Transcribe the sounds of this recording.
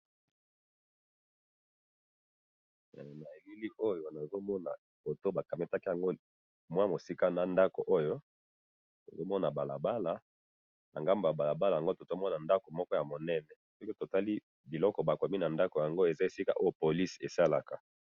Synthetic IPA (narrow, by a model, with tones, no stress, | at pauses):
na˨e˨li˦li˦ʔo˦jo˦na˨zo˦mɔ˦na̰˨ | bo˨to˦ba˨ka˨me˦ta˦ki˦ja˨ŋɡo˦ | mwa˦mo˨si˦ka˦na˨nda˦ko˨ʔo˦jo˦ | to̰˨zo˦mɔ˦na˨ba˨la˨ba˦la˨ | na̰˨ŋɡa˦mba˨ba˨la˨ba˦la˨ja˨ŋɡo˦to˨zo˦mɔ˦na˨nda˦ko˨mɔ˦kɔ˦ja˨mo˨nɛ˦nɛ˨sɔ˦ki˦to˨ta˦li˦ | bi˨lɔ˦kɔ˨ba˨ko˨mi˦na˨nda˦ko˨ja˨ŋɡo˦e˨za˦e˨si˦ka˦ʔo˦jo˦po˨li˦sḛ˨sa˦la˨ka˨